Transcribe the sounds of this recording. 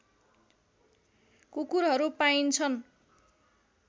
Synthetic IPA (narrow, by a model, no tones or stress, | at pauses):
kukuɾɦʌɾupaint͡sʰʌn